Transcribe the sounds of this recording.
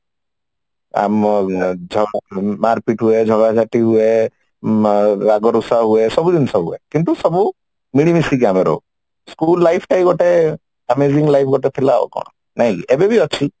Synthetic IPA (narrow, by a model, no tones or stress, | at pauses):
a̰m | d͡ʒʱɔmaɾpiʈɦued͡ʒʱɔɡad͡ʒaʈiɦue | ɾaɡɔɾusaɦuesɔbud̪insɔbɦuekint̪usɔbu | miɽimisikameɾɔ̰ | skulːajpʰʈajɡɔʈe | ɛmeziŋlajpʰɡɔʈet̪ʰilaɔ̰kɔ̰ɽ̃ɔ | naɦĩebebiɔt͡ʃʰi